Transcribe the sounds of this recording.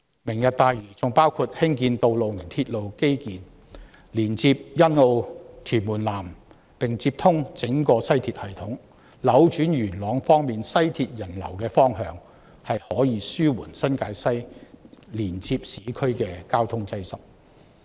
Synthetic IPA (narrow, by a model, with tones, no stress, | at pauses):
mɪ˨˩ŋjɐ˨t̚t̪aː˨˧jɥyː˨˩t͡sʊ˨ŋpaː˥wkʰuː˧t̚hɪ˥ŋkiː˧nt̪o˨˧wlo˨wnɪ˨˩ŋt̪ʰiː˧t̚lo˨wke˥jkiː˨n | liː˨˩nt͡siː˧p̚jɐ˥no˧wt̪ʰyː˨˩nmuː˨˩nlaː˨˩m | pɪ˨ŋt͡si˧p̚t̪ʰʊ˥ŋt͡sɪ˨˥ŋkɔː˧sɐ˥jt̪ʰiː˧t̚hɐ˨˩jt̪ʰʊ˨˥ŋ | lɐ˨˥wt͡ʃyː˨˥njyː˨˩nlɔː˨˧ŋfɔː˥ŋmiː˨nsɐ˥jt̪ʰiː˧t̚jɐ˨˩nlɐ̰˨˩wkɛː˧fɔː˥ŋhœː˧ŋ | hɐ˨jhɔː˨˥jiː˨˧syː˥wṵː˨˩nsɐ˥nkaː˨˥jsɐ˥j | liː˨˩nt͡siː˧p̚siː˨˥kʰɵ˥ɥkɛː˧kaː˥wt̪ʰʊ˥ŋt͡sɐ˥jsɐ˨˥k̚